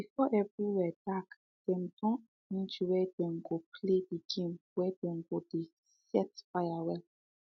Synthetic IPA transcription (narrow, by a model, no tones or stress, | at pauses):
b̥ifɔʔɛbiwɛd̥ak | d̥ɛ̃mdɔ̃ | nĩd͡ʒuwɛd̥ɛ̃ŋɡopʰlediɡẽmwɛdɛ̃ŋɡode | sɛtfajawɛl